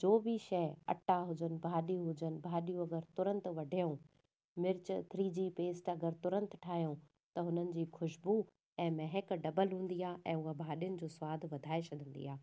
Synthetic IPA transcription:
d͡ʑoːbʱiʃɐɦɐ̰ʈaɦʊd͡ʑənɪ̆bʱaːɗijũɦʊd͡ʑənɪ̆bʱaːɗijũɐɡəɾt̪ʊɾə̃nt̪ʋɐɖʱijũ | mɪɾt͡ɕt̪ʰɾiːd͡ʑiːpeːsʈɐɡəɾt̪ʊɾə̃nt̪ʈʰaːɦijõ | t̪ɐɦʊn̤ənɪ̆d͡ʑiːxʰʊʃbu | ɛ̃ːmɛɦɛkɖɐbəlɦũːn̆d̪iaːʔɛ̃ːʊɦabʱaːɗijʊnɪ̆d͡ʑoːsʊwaːd̪ʱʋɐd̪ʱaːet͡ɕʰɐd̪ʱə̃nd̪ḭːaː

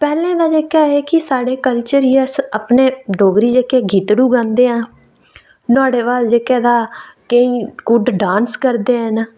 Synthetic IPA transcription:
pɛːlẽːd̪aːd͡ʒeːkaːeːkɪsaːɽeːkəlt͡ʃəɾiːaːsapneːɖoːɡɾiːd͡ʒeːkeːɡiːt̪ɽuːɡãːnd̪eːãː | nʊaːɽeːʋaːld͡ʒeːkɛːd̪aːkəĩːɡʊɖɖãːnskəɾd̪eːɦənː

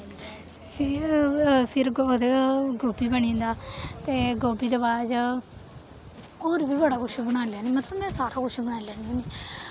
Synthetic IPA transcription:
pʰ | pʰɪɾod̪eɡoːbiːbəɳĩːnd̪aːt̪eːɡoːbiːd̪əbaːd͡ʒ | oːɾbiːbəɽaːkʊʃbəɽaːlɛːniːmət̪ləbmɛ̃ːsaːɾaːkʊʃʰbəɽaːilɛːniõːniː

